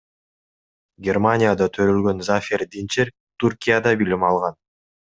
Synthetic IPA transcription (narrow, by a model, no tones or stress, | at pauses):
ɡʲermanʲɪjad̪ɑt̪ʰø̞ɾølɡø̞nzafʲeɾd̪int͡ʃeɾ | t̪urkʲijad̪ɑbilimɑlˠʁɑn